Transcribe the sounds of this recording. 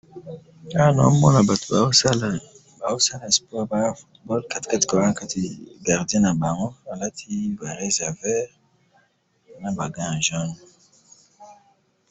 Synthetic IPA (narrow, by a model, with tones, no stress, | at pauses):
a˦nɔ̰˨˦mɔ˦na˨ba˨to̥˨ba˨˦a˦l | ba˨o˦sa˦la˨spɔ˦˨ʁba˨ɡa˦˨fu˦tbɔ˦lka˦ti̥˨ka˦ti̥˨kɔ˨ã˦ka˦ti˦˨ɡa˨ʁdi˦ẽ˦na˨ba˨ʁɔ̃˦a˨la˦tʰi˦ba˨ʁe˦za˨vɛ˦ʁ | nã˦ba˨ɡã˦ã˨ʒɔ˦n